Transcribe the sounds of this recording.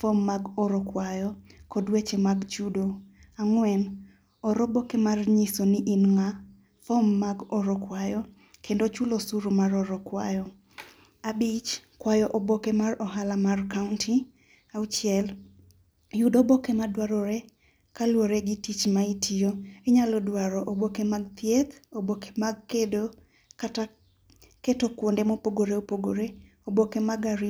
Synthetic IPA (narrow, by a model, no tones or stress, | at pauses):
fomːaɡɔɾɔkwajɔkɔdwet͡ʃemaɡt͡ʃudo | aŋwɛn | ɔɾobokemarɲisonɪʔinŋa | fomːaɡɔɾɔkwajɔ | kʰendot͡ʃulosuɾumaɾɔɾɔkwajɔ | abit͡ʃkwajɔʔobokemarɔɦalamarkaʊntʰi | at͡ʃjɛl | judɔbokemadwaɾɔɾe | kalwoɾeɡɪtit͡ʃmaitʰijoeɲalɔdwaɾɔʔobokemaɡt̪jet̪oboke̥maɡkedo | kata | ketokwondemopoɡoɾeopoɡoɾe | obokemaɡaɾi